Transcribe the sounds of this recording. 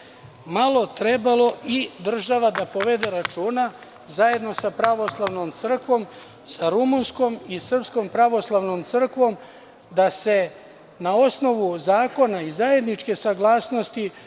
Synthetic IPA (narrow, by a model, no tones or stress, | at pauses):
malo̞t̪ɾe̞balo̞id̪r̩ʒaʋad̪apo̞ʋed̪e̞ɾat͡ʃuːna | zaje̞d̪no̞sapɾaʋo̞slˠaʋno̞mt̪sr̩kʋo̞m | saɾumunsko̞misr̩psko̞mpɾaʋo̞slˠaʋno̞mt̪sɨr̩kʋo̞m | d̪ase̞ | nao̞sno̞ʋuzaːko̞naizaje̞d̪nit͡ʃke̞saɡlaːsno̞st̪i